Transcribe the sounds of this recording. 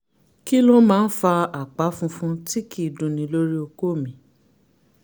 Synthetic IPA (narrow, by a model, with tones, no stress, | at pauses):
ki˦lɔ˦mãː˦˧n̩˦fa˧a˨k͡pa˨˦fũ˦fũ˦ti˦ki˦˨dũ˨nĩ˨˧˦lo˦ɾi˦o˧ko˦˨mĩ˨˦